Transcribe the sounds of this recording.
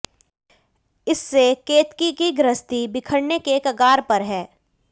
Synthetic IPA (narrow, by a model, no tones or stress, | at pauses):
ɪsːekeːt̪kikiɡɾəst̪ibɪkʰəɽnekekɐɡaːɾpɐɾɦɛː